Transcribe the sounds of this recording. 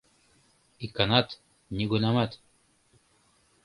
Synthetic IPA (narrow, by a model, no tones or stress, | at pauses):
ikanat̪ | niɡunamat̪